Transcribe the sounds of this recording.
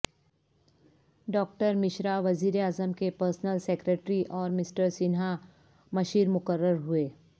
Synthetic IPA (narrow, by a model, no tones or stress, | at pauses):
ɖɔːk̚ʈəɾmɪʃɾaʋɐziːɾeaːzəmkepəɾsnəlseːkɾeːʈɾiʔɔːɾmɪsʈəɾsɪnɦa | mɐʃiːɾmʊkəɾːəɾɦueː